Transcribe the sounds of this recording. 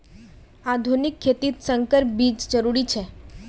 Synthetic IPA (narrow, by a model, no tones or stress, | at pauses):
ad̪ʱunikʰːet̪iːt̪səŋkəɾp̚biːd͡ʒd͡ʒəɾuɾit͡ʃʰe